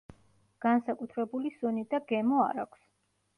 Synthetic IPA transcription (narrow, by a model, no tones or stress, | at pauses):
ɡ̥ansakʼut̪ʰɾɛbulisɔnid̪aɡɛmɔa̰ɾa̰kʷʰs